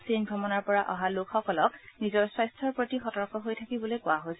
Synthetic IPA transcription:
sinɡʱɔmɔnaɹpɔɹaʔɔɦalʊkʰxɔkɔlɔk̚nizɔɹswajstʰɔɹpɹotixɔtɔɹkɔɦojtʰakibɔlojkʊaɦojs

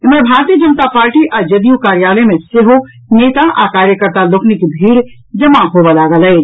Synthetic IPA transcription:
ɪməɾbʱaːɾt̪iːəd͡ʒɐnt̪apaːɾʈiʔɐːd͡ʒɐd̪ijũkaːɾjaːləmẽseɦo | neːt̪aʔa̰ːkaːɾjəkəɾt̪aloːknikibʱiːɽ | d͡ʒɐmaɦoːʋalaːɡələe

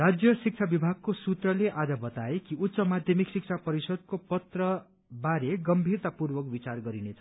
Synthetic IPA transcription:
rad͡zjʌsik̚t͡sʰabibʱaɡ̚kosut̪rʌleʔad͡zʌbʌt̪aekiut̪ːsʌmad̪ʱjʌmiksik̚t͡sʰapʌɾisʌd̪̚kopʌt̪rʌ | baɾeɡʌmbʱirt̪apurbʌkbit͡sarɡʌɾinet͡sʰʌ

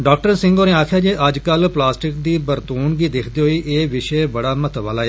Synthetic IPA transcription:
ɖaːk̚ʈəɾsɪ̃ŋɡoːnẽːaːkʰjaːd͡ʒeːʔəd͡ʒkəlplaːsʈɪkd̪iːbəɾt̪uːnɡiːd̪ekʰd̪eːɦoiːʔeːʋɪʃebəɽaːmət̪ʋaːlaːɛ

